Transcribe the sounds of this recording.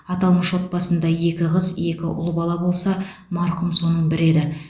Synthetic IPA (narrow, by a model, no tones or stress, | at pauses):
ɑt̪ɑlˠməʃwo̞t̪̚pɑsənd̪ɑje̞kʲɪʁəzje̞kʲɪʔʊ̰lˠəbɑlˠɑbo̞lˠsɑ | mɑɾqʊmso̞nəɴbɪɾe̞d̪ɪ